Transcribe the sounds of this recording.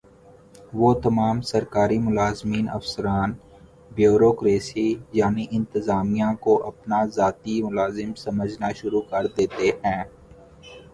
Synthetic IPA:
ʋoːt̪ɐmaːmsɐɾkaːɾimʊlaːzmiːnɐ̰fsəɾaːn | bjuːɾoːkɾeːsijaːniʔɪ̃nt̪ɪzaːmijãkoʔɐpnazaːt̪imʊlaːzɪmsɐməd͡ʒnaʃʊɾukɐɾd̪eːt̪eɦɛ̃ː

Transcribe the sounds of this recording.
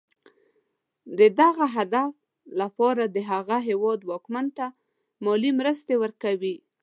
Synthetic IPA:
d̪əd̪aɣaɦad̪af | lapɑɾad̪əɦaɣaɦewɑd̪wɑkmant̪a | mɔlimɾəst̪ewəɾkawi

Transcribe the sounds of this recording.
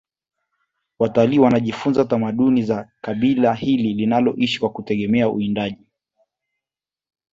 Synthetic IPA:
wataliːwanaʄifunzatamaɗunizakaɓilahililinalɔ̰ʔiʃi̥kwakutɛɠɛmɛaṵindaʄi

